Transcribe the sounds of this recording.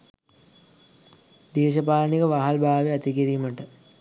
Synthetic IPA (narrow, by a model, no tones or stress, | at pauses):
d̪eːʃəpaːlənikəʋaɦalbʱaːʋeat̪ikiɾiməʈə